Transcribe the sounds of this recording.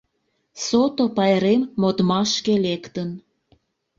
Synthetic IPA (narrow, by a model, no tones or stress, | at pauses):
sot̪opɑjɾemːot̪mɑʃkelekt̪ən